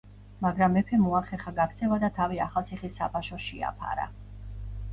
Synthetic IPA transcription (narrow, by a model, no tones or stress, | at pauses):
maɡɾamːɛpʰɛmuaχɛχaɡakt̪sʰɛvad̪at̪ʰaviaχalˠt̪sʰiχisːa̰pʰaʃɔʃia̰pʰa̰ɾa̰